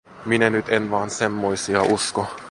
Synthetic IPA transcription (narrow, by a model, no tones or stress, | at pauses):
minænyt̪enʋɑːnsemːoisiɑʔusko